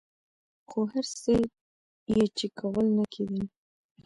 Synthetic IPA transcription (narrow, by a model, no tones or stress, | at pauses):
xoɦaɾse | jet͡ʃikʰawəlnakʰedi